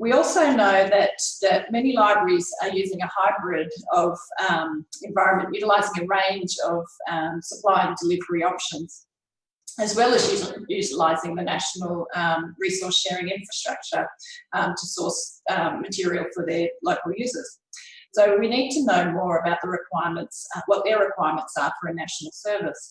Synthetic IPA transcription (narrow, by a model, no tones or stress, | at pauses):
wiɔlˠsoʊnoʊðɨt̪ðɨt̚mɛnilaɪbɹə˞iz̥ə˞jʉzɪ̃ŋɨhaɪbɹɪɾʌv̥mɨ̃ɱvaɪɹɨ̃nmɨ̃nʔjʉɾəlaɪzɪ̃ŋɨɹẽɪ̃nd͡ʒʌv̥ʌsəpʰl̥aɪɨ̃ndəlɪvə˞iɑpʃə̃nz̥ | ɨzwɛlˠɨzjjʉɾəlaɪzɪ̃ŋðɨnæʃn̩l̩ˠɹisɔ˞sʃɛɹɪ̃ŋɪ̃ɱfɹɨstɹ̥ʌ̰k̚t͡ʃə˞tʰəsɔɹsmɨtʰɪɹil̩ˠfə˞ðə˞loʊkl̩ˠjʉzə˞z̥soʊwinid̚tʰɨnoʊmɔɹɨbaʊt̪̚ðəɹɨkʰw̥aɪəmɨ̃ntswʌt̪̚ðə˞ɹɨkʰw̥aɪəmə̃ntsə˞fə˞ɨnæʃn̩l̩ˠsɜ˞vəs